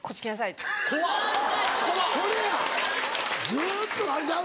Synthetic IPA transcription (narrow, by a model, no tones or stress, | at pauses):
kʰot͡ɕi̥kʲinas̬aikʰoakokoɾeja | d͡zɨːt̪ːoaza